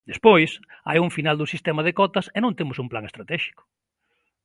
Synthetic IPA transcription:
d̪espojsa̰juɱfinald̪ʊsist̪ɛmɐð̞ekɔt̪ɐsenõnt̪emʊsumplaŋest̪ɾat̪ɛʃi̥kʊ̥

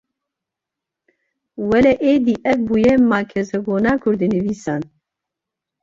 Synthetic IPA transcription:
wɛlɛʔeːd̪iʔɛk̚buːjɛmaːkʰɛzɛɡoːnaːkʰʊɾd̪inɨviːsan

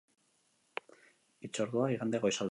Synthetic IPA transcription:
it͡ʃo̞ɾðuaiɣand̪eɣojsal

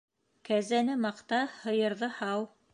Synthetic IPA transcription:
kæzænɘmɑqt̪ɑhɤ̆jɤ̆ɾðɤhɑw

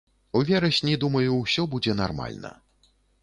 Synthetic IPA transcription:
uvʲɛɾɐɕʲnʲid̪umɐjusʲɔbud͡zʲɛnarma̰lʲnɐ̰

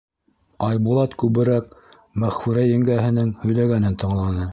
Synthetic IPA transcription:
ɑjbulˠɑt̪kʉβɘ̆ɾæk̚ | mæχfʉɾæjɘ̆ŋɡæɦɘ̆nɘŋhɵ̆jlæɡænɘnt̪ɤ̆ɴlˠɑnɤ

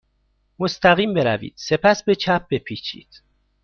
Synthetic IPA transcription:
most̪æɣiːmbe̞ɾævḭːd̪̥se̞pʰæsbe̞t͡ʃʰæp̚b̥e̞pʰit͡ʃʰḭːd̪̥

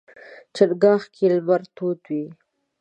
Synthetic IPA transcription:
t͡ʃaɽɡɑːxkʰelmaɾt̪ot̪wi

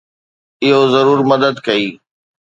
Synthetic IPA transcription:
ɪɦozɐɾuːɾmɐd̪əd̪kɐiː

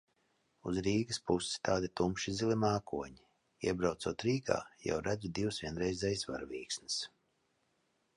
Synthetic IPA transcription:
ṵzɾiːɡɨspusɪ̥st̪aːd̪it̪umʃizilˠimaːkuɔɲi | iɛbɾawt̪suɔt̪ɾiːɡa̰ːja̰wɾad̪ʲid̪iwsvʲiɛnɾɛjzɛjsva̰ɾvʲiːksnɨ̥s

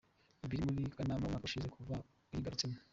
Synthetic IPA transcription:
ibiɾmulikʼanamamakʼuʃizekʰuva | iɡɐɾtim

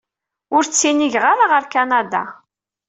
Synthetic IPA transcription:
ʊɾt͡sːiniʝʁaɾaʁəɾkanad̪a̰

